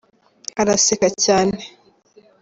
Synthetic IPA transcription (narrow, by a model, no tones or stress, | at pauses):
aɾasekacaːne